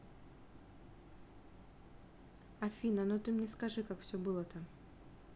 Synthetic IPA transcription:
ɐfʲinɐnot̪ɨmnʲɛskɐʐɨkakfsʲɵbɨlˠət̪am

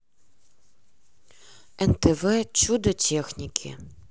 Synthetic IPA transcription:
ɛnt̪ʰɛvɛt͡ɕud̪ɐtʰʲexnʲikʲʰḭ

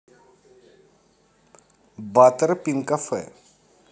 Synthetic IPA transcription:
bat̪əɾpinkafə̰

